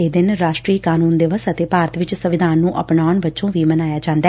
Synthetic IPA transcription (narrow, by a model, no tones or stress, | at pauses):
eːd̪ɪnɾaːʃʈɾiːkaːnuːnd̪ɪʋəsət̪eːpaːɾət̪ʋɪt͡ʃsəʋɪd̪ʱaːnːũːʔə̰pnaːʊɳbətːʃõːʋiːmənaːjaːd͡ʒãːnd̪aː